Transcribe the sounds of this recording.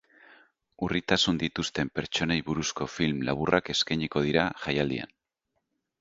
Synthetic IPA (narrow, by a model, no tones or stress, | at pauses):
urit̪asund̪it̪ust̪e̞mpe̞ɾt͡ʃo̞nejβuɾusko̞filmla̰βurʔake̞skajɲiko̞ð̞iɾaʝajald̪ḭa̰n